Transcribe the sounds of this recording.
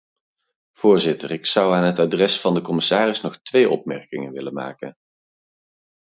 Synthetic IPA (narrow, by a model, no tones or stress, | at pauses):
v̥ʊːɹzɪtərɪksʌwaːnɦətadrɛsfɑndəkɔmɪsaːrɪsnɔχtʋejʔɔ̰pmɛɹkɪŋənʋɪlənma̰ːkə̰n